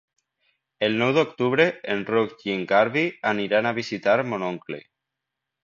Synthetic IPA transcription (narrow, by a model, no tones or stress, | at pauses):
elnewðeokt̪uβ̞ɾeenrokʝiŋɡaɾβianiɾanaβ̞isit̪aɾmonõŋklḛ